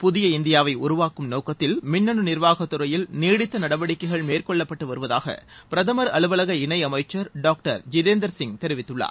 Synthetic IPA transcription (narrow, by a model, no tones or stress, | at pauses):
pʊðɪjɐɪnd̪ɪjaːʋɐɪʊɾʊʋaːkɯmnoːkɐt̪ːɪlmɪnːɐɳɯnɪɾʋaːɣɐt̪ːʊɾɐjɪlneːɽɪt̪ːɐnɐɽɐʋɐɽɪkːɐɪɣɐɭmeːrkɔɭːɐpːɐʈːɯʋɐɾɯʋɐða̰ːɣɐ̰pɪɾɐðɐmɐɾɐɭɯʋɐlɐɣɐɪɳɐɪɐmɐɪt͡ʃːɐɾɖaːk̚ʈɐ̰ɾd͡ʒɪðeːnd̪ɐɾsɪŋt̪ɛɾɪʋɪt̪ːɯɭːa̰ːɾ